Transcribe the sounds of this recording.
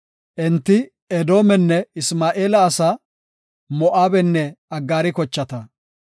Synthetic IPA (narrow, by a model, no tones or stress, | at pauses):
ʔɛnt̪ːɪ | ɛd̪o̞ːmɛnːɛɪsmaːʔeːlɐːsa | mɔʔaːbɛnːɛɐɡːaːɾɪkɔt͡ʃːɐt̪ɐ